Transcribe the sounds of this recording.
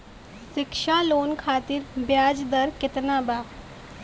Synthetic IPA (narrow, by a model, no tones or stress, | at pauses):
sɪkʃaːloːnkʰaːt̪iɾbjaːd͡ʒd̪əɾkɪt̪naːbaː